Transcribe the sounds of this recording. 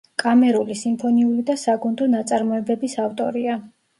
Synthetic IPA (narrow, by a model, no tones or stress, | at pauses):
kʼamɛɾulisimpʰɔniulid̪asaɡund̪ɔnat̪sʼaɾmɔɛbɛbisaft̪ʼɔ̰ɾia